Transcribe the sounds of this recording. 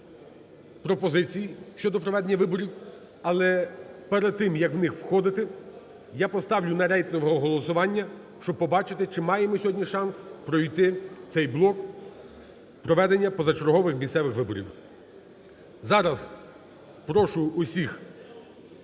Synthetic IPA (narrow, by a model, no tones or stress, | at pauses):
pɾɔpɔzɪt͡sʲijiʃt͡ʃɔd̪ɔpɾɔʋɛd̪enʲːɐʋɪbɔɾʲiw | ɐlˠɛpɛɾed̪̚t̪ːɪmjɐkʋwnɪxwxɔd̪ɪt̪ɪ | japɔst̪ɑwlʲʊnɐɾʲɛjt̪nɔʋɔɦɔɦɔlˠɔsʊʋɑnʲːɐ | ʃt͡ʃɔb̚pːɔbɑt͡ʃɪt̪ɪt͡ʃɪmɑjemɔsʲɔɦɔdʲnʲiʃɑnspɾɔjt̪ɪt̪sɛjblˠɔk | pɾɔʋɛd̪enʲːɐpɔzɐt͡ʃɔɾɦɔʋɪxmʲisɛʋɪxʋɪbɔɾʲḭw | zɑɾɐz | pɾɔʃʊʊsʲix